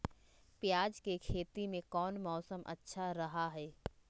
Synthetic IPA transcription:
pjaːd͡ʒkekʰeːt̪imẽkɔːnmɔːsəmʔɐ̰tːʃʰaɾɐɦaɦɛː

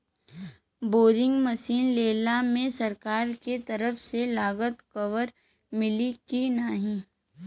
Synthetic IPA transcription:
boːɾɪ̃ŋɡməsiːnleːlamẽsɐɾkaːɾket̪ɐɾəfselaːɡət̪kəʋəɾ | mɪlikinaɦĩ

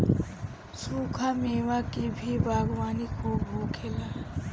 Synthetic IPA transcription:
sukʰameːmakibʱibaːɡwaːnikʰobʱokʰela

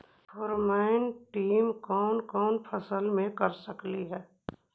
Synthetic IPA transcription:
pʰoːɾmaːɪnʈiːmkɔːnkɔːnpʰəsəlmẽkɐɾsəkliɦɛː

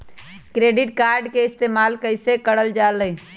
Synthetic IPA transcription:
kɾeɖiʈkaɾɖkeist̪emalkəɪsekəɽəld͡ʒaləj

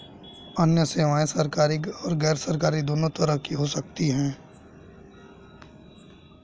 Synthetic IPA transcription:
ɐnjəseːʋaːẽsɐɾkaːɾiɔːɾɡɛːɾsɐɾkaːɾid̪oːnot̪ɐɾəɦkiɦosɐk̚t̪iɦɛ̃ː

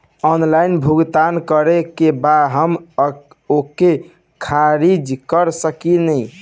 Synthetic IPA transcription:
ɔnlainbʱuɡt̪ankəɾekebadɦəm | oke | kʰaɾid͡ʒkəɾsəkinəj

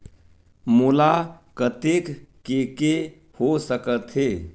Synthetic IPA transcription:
mulakət̪ekkeke | hosəkət̪ɦe

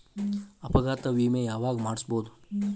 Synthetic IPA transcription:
ɐpɐɡaːt̪ɐʋiːmejaːʋaːɡmaːɽisboːd̪u

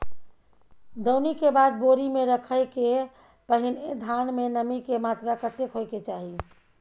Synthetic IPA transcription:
d̪əwnikebad̪̚boɾimeɾəkʰəjke | pəɦined̪ʱanmenəmikemat̪ɾakət̪ekɦojket͡ʃaɦi

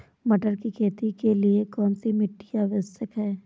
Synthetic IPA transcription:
mɐʈəɾkikʰeːt̪ikeliekɔːnsimɪʈːijaʋɪsəkɦɛː

